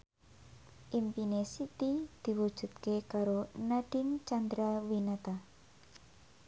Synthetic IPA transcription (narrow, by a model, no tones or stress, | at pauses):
ʔimpinesit̪id̪̥i̤wud̥ʒ̥ṳt̪̚kekaɾonaɖ̥ɪŋt͡ʃand̪ɾawinat̪a